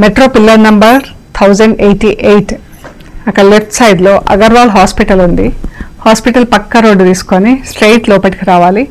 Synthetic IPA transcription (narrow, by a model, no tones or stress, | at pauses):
meʈɾoːpilːɐɾnɐmbɐɾ | t̪ʰɐwd͡ʒɐɳɖejʈiʔejʈ | ɐkɐlepʈ̪ʰsɐjd̪loːʔɐ̰ɡɐɾʋaːlɦaːspiʈɐlund̪ihaːspiʈɐlpɐkːɐɾoːɖt̪iːsu̥konisʈɾejʈloːpɐʈikiɾaːʋaːli